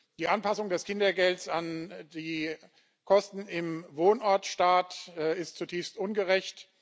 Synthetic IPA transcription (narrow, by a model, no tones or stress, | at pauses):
d̥iːʔanpasʊŋdɛskʰɪndɐɡɛltsandiː | kʰɔstn̩ɪmvoːnʔɔɐtʃtaːtːɪstt͡sutʰiːfstʔʊnɡəʁɛçt